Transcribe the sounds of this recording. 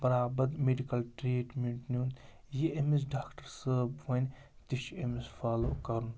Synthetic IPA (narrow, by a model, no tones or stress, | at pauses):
bɐɾaːbɐd̪meɖikɐlʈɾeːʈmeɳʈnʲun | jeemis̬ɖaːkʈɐɾsəbʋɐnʲ | t̪iʃemesfaːlo̰ːkɐɾun